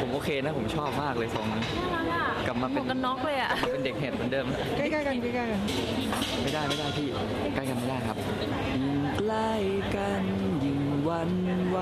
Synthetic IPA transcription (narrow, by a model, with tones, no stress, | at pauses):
pʰo˩˦mʔoː˧kʰeː˧na˦˥pʰo˩˦mt͡ɕʰɔː˥˩p̚maː˥˩k̚lɤː˧jsɔː˩˦ŋnɯ˧˥ | ka˨˩p̚maː˧pe˧˨˩nka˧nːɔ˦˥k̚lɤː˧jʔa˨˩ʔpe˧nde˨˩k̚ɦɛː˨˩t̪̚mɯː˩˧˦ndɤː˧m˦˥˩kaː˥˩jka˥˩jka˧nka˥˩ka˥˩ka˧n˥˧˩ | ma˥˩jdaː˥˩jma˥˩jda˥˩jt̪ʰiː˥˩ | kaː˥˩jka˧nma˥˩jdaː˥˩jkʰa˦˥p̚ | ji˧˩ŋkla˥˩j | ka˧n | ji˧˩ŋ | wa˧n | wa˧